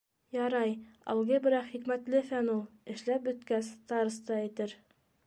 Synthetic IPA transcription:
jɑɾɑjɑ̰lˠʁɤbɘ̆ɾɑχikmæt̪lɘfænulˠɘ̆ʃlæp̚bɵ̆t̪kæst̪ɑɾɤ̆st̪ɑæ̆t̪ɘɾ

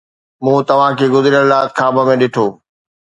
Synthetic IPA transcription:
mũːt̪ɐʋ̤ãkʰeːɡʊzɾijəllaːt̪kʰaːbəmẽɗɪʈʰoː

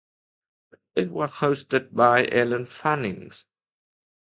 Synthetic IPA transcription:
ɪt̚wʌz̥hoʊstɨd̚baɪʔɛlə̃nfanɪ̃ŋz̥

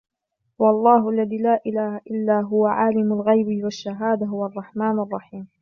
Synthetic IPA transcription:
wɑlˤːɑːɦʊʔalːaðiːlaːʔɪlaːhaʔɪlːaːɦʊwaʕaːlɪmʊlɣajbɪwaʃːaɦaːd̪aɦʊwaɑrˤːɑħmaːnɑrˤːɑħiːm

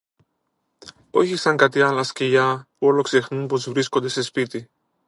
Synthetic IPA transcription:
oçisaŋkat̪ialɐskejapoloksexnumpozvɾiskond̪esespit̪i

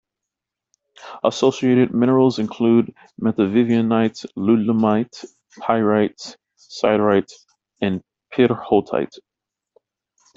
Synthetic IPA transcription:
ʔəsoʊsieɪɾɨd̚mɪ̃ñə˞l̩ˠzɨ̃nkʰl̥ud̚ | mɛθɨvɪviɨ̃naɪtslʉləmaɪt | pʰaɪɹaɪts | sa̰ɪdɹaɪt | ɨ̃n | pʰɪɾə˞hotʰa̰ɪt

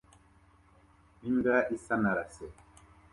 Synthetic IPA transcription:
iŋɡaʔisanaɾasɛ

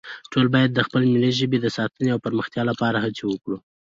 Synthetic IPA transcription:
ʈolbɑjad̪ːəxpəlemileʒəbed̪əsɑt̪əneawpəɾməxt̪jɑlapɑɾaɦat͡sewəkɽu

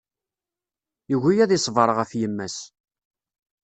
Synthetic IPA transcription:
jiʝijæðisˤvəɾˤʁəfjəmːæs

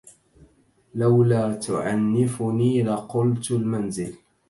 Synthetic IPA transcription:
lawlaːt̪ʊʕanːɪfʊniːlaqʊlt̪lmanzɪl

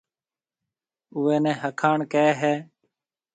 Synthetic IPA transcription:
uːɛːnɛ̃ːɦəkʰaːɳkɛːɦɛː

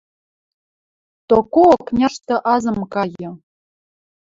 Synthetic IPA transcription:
t̪okoknʲaʂt̪ɤ̆ʔɑzə̆mkɑjə̆

